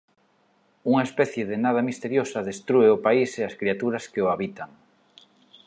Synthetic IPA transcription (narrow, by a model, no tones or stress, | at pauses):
uŋaespɛθjeðɪnað̞ɐmist̪eɾjosɐðest̪ɾueʊpaiseaskɾiat̪uɾɐskeʊaβit̪aŋ